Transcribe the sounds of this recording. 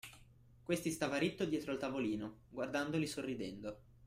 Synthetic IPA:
kwest̪ist̪aːvaɾit̪ːod̪jɛːt̪ɾoalt̪avoliːnoɡward̪and̪olisorːid̪ɛnd̪o

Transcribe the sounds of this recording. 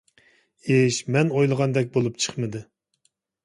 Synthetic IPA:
eʃmɛnojlˠəʁɑnd̪ɛk̬ʲbolˠup̚t͡ʃʰə̥χmɨd̪ɨ

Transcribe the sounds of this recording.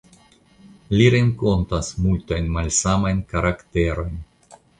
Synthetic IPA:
liɾeŋko̞ntasmultajnmalsamajnkaɾakte̞ɾo̞jn

